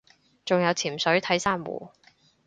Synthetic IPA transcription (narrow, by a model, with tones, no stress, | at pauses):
t͡sʊ˨ŋjɐ˨˧wt͡sʰiː˨˩msɵ˨˥ɥt̪ʰɐ˨˥jsaː˥mwṵː˨˩